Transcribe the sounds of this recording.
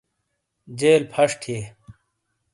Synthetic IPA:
d͡ʑeːlpʰɐʂʈʰeː

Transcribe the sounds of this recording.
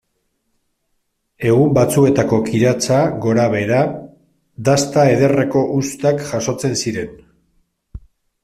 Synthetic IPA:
e̞ɣ̞umbat͡sue̞t̪ako̞kiɾat͡saɣo̞ɾaβ̞e̞ɾa | d̪ast̪ae̞ðe̞re̞ko̞ʔust̪akʝaso̞t͡se̞nsiɾe̞n

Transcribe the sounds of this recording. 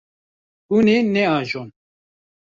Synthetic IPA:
unenɛɑːʒon

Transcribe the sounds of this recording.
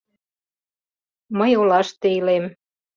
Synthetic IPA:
məjolɑʃt̪eilem

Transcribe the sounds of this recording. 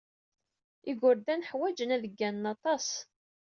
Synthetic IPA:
iɡʊɾd̪ænħwæd͡ʒənæðəɡːænːɑt̪ˤɑs

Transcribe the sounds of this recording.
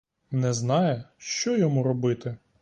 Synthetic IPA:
nɛznɑjɛʃt͡ʃɔjɔmuɾɔbɪt̪ɪ

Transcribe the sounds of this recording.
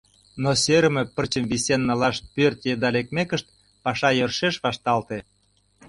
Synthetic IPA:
noseɾəmepərt͡ɕəmβisʲenːəlɑʃt̪̚pørt̪jed̪ɑlek̚mekəʃt̪̚ | pɑʃɑjørʃeʃβɑʃt̪ɑlt̪e

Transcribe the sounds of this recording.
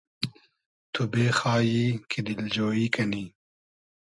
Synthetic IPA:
t̪ʰubeːxaːjiːkʰed̪ɪld͡ʒoːiːkɐniː

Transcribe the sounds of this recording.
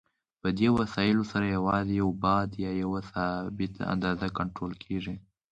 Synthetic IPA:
pəd̪ewasɑjɪlosaɾajawɑzejawbɑd̪jɑjawasɑbɪt̪a̰nd̪ɑzakaɳʈɾolkʰeʐi

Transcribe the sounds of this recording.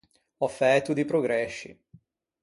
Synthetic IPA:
ɔfːɛt̪ud̪ipɾoɡɾɛʃːḭ

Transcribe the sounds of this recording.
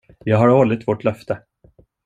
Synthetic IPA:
jɑːɡɦaɾɔlːɪt̪vɔʈlœft̪ʰə

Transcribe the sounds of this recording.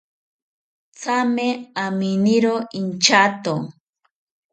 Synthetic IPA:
t͡sameaminiɾoint͡ʃat̪o

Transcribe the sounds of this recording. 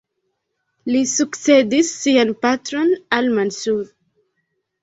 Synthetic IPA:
lisuksed̪isːianpatɾo̞nalmansuɾ

